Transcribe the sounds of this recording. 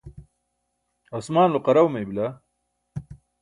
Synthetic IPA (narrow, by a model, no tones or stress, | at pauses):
osmaːnloqɐɾɐwmejbila